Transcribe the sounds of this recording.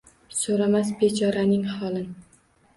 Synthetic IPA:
soɾamasbet͡ʃʰɒɾanɪŋhɒlˠɪn

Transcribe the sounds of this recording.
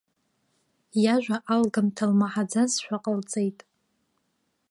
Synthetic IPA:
jaʒʷᶣaʔalɡamtʰalmaħad͡zazʃᶣʷaqʼəlt͡sʼejtʼ

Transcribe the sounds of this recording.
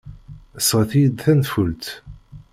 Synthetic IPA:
əsəʁθijəd̪θænfult̪

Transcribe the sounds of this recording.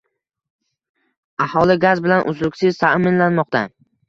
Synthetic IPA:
ahɒlˠɪɡazbɪlanʔʊzlʊkʲsɪz̥t̪ʰamɪnlanmɒq̚t̪ʰa

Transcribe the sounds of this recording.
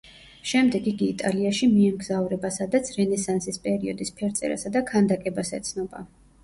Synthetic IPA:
ʃɛmd̪ɛɡiɡiːt̪ʼaliaʃimiɛmɡzavɾɛbasad̪at̪sʰɾɛnɛsansispʼɛɾiɔd̪ispʰɛɾt̪sʼɛ̰ɾa̰sad̪akʰand̪akʼɛbasɛ̰t̪sʰnɔba̰

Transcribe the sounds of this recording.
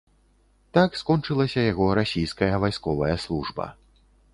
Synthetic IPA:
t̪akskɔnt͡ʂɨlˠɐsʲɐjaɣɔɾasʲijskɐjɐvajskɔvɐjɐslˠuʐbɐ̰

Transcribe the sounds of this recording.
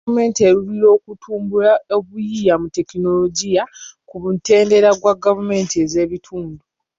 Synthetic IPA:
ume̞ːntieɾuβilo̞ːkutʰuːmbulaoβujijamute̞kino̞lo̞ɟijakuβute̞ːnde̞ɾaɡwaɡavume̞ːntieze̞ːβitʰuːndu

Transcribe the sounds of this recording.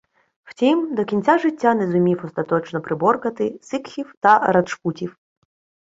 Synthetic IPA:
w̥tʲimd̪ɔkʲinʲt͡sʲaʐɪtʲːanɛzʊmʲiwɔst̪ɐt̪ɔt͡ʃnɔpɾɪbɔrkɐt̪ɪsɪkxʲiwt̪ɐɾɐt̪ʃkutʲiw

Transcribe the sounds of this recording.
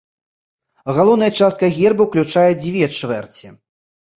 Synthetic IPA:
ɣalˠɔwnɐjɐt͡ʂast̪kɐɣʲɛrbɨwklʲut͡ʂajɛd͡zʲvʲɛt͡ʂvɛrt͡sʲi

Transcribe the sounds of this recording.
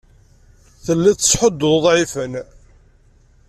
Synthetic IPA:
θəlːæt͡sːə̥sħəd̪ːðˤðˤʕifən

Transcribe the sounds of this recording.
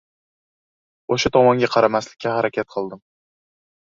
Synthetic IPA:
oʃat̪ʰɒmɒŋɡʲaqʰɑɾamaslɪkʲʰːahaɾakʲʰat̪̚qʰɨlˠd̪ɪm

